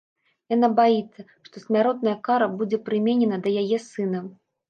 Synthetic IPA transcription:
janabajit̪sːɐ | ʂt̪ɔsʲmʲaɾɔt̪̚nɐjɐkaɾɐbud͡zʲɛpɾɨmʲenʲɛnɐd̪ɐjajɛsɨnɐ

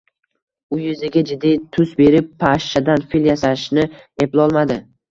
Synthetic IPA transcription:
ʊjɪzɪɡʲad͡ʒɪd̪ːijt̪ʰʊsbe̞ɾɪpʰːaʃːad̪anfiljasaʃnɪeplˠɒlˠmad̪ɪ

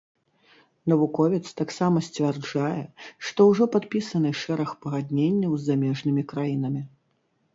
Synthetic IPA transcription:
nɐvukɔvʲit̪st̪aksamɐsʲt͡sʲvʲɛrd͡ʐajɛʂt̪ɔwʐɔpat̪̚pʲisɐnɨʂɛɾɐxpɐɣad̪ʲnʲenʲːɐwzʲːamʲɛʐnɨmʲikɾajinɐmʲi

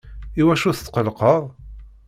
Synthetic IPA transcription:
iwæʃuθt̪ːqəlqəʁˤ

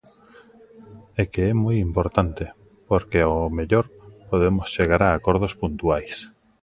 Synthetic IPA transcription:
ɛkeɛmojimpoɾt̪ant̪e | poɾkeaomeʎoɾpoð̞emosʃeɣ̞aɾaːkoɾð̞ospunt̪uajs

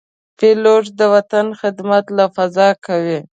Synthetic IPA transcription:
peloʐd̪əwat̪anxɪd̪mat̪lafazɑkawi

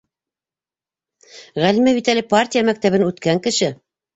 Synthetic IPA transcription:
ʁælimæbit̪ælɘpartʲijamæk̚t̪æβɘnʉt̪kæŋkɘ̆ʃɘ

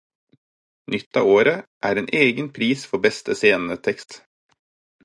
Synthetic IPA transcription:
nʏt̪ɑ̰ːoːɾəʔæːɾeːnʔeːɡənpʰɾiːsfɔbɛst̪əseːnn̩ət̪ʰɛkst̪

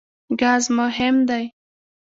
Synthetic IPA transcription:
ɡazmʊɦɪmd̪aj

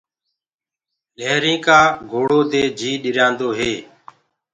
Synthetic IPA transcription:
leːɾĩːkaːɡʱoːɽoːd̪eːd͡ʒʱiːɗɪɾjãːnd̪oːɦeː

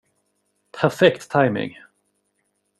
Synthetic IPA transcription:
pʰæɾfɛkt̪ʰːaɪmɪ̰ŋ

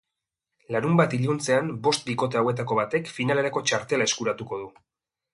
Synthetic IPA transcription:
laɾumbat̪iʎunt͡se̞ambo̞st̪̚biko̞t̪eawe̞t̪̬ako̞β̞at̪e̞kfinale̞ɾako̞t͡ʃaɾt̪e̞lae̞skuɾat̪uko̞ð̞u

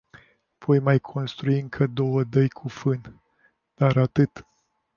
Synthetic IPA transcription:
v̥o̞jmajkʰo̞nst̪ɾuiɨŋkʰəd̪o̞wəd̪əjkʰufɨn | d̪̥aɾat̪ɨt̪

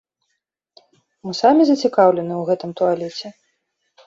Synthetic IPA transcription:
mɨsamʲizɐt͡sʲikawlʲɛnɨwɣɛt̪ɨmt̪ualʲɛt͡sʲɛ

